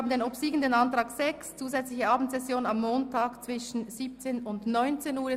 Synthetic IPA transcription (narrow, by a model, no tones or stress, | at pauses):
bn̩deːnɔpsiːɡən̩denɑntʁɑːksɛkst͡suːzɛt͡slɪçəɑːbn̩tsɛsjoːnənɑmːoːntʰaːkt͡sv̥ɪʃn̩z̥iːp̚t͡seːnʊndnɔʏnt͡seːnuːɐ